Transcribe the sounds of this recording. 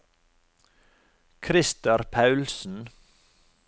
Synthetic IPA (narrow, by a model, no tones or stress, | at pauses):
kʰɾɪst̪əɾpʰɑʉlsn̩